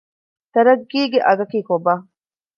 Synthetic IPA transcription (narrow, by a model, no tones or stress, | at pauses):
t̪ɐɾɐɡːiːɡeʔɐɡɐkiːkoba